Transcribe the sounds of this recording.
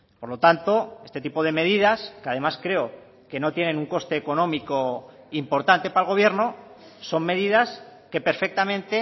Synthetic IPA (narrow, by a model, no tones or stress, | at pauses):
po̞ɾlo̞t̪ant̪o̞e̞st̪e̞t̪ipo̞ð̞e̞me̞ð̞iðaskeaðe̞maskɾe̞o | ke̞no̞t̪je̞ne̞nuŋko̞st̪e̞ːko̞nõ̞miko | impo̞ɾt̪ant̪e̞paelɣ̞o̞β̞je̞ɾnoso̞mme̞ðiðaske̞pe̞ɾfe̞k̚t̪amẽnt̪e